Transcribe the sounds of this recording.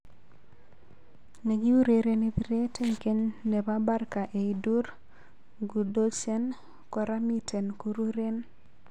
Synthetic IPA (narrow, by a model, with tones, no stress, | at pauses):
ne˨ɡi˦u˦ɾe˨ɾe˦ne˦biɾe˦tʰe˦ŋke˦ɲne˨ba˦ba˦rka˨ʔe˨idu˦ɾ | ɡu˨do˦t͡ʃɛ˦n | kɔ˨ɾa˦mi˦te˨nkuɾu˦ɾe˦n